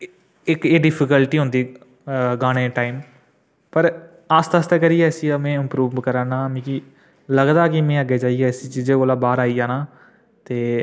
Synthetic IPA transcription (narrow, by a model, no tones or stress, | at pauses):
ɪkeːɖɪpʰɪkəlʈiːɦʊ̃ːnd̪iː | ɡaːɽ̃ẽːʈaːɪm | pəɾ | aːst̪ast̪ekəɾieɛsiəmẽːɪmpɾuːʋʋkəɾaːnaːmĩːki | ləɡd̪aːkimẽːəɡeːd͡ʒaːieɛsit͡ʃiːd͡ʒeːkoːlaːbaːɾaːid͡ʒaːnaː | t̪eː